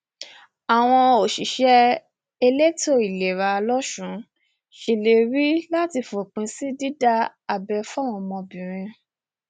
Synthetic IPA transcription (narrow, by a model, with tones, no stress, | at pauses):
a˨w̃ɔ̃˧o˨ʃi˨ʃɛ˧˦ | e˧le˦to˦˨i˨le˨ɾa˧lɔ˦ʃũ˨˦ | ʃi˨le˨ɾi˦la˦ti˧fo˨k͡pĩ˨˧˦si˦di˦da˦ | a˨bɛ˧fa˦w̃ɔ̃˧mɔ̃˧bĩ˨ɾ̃ĩ˧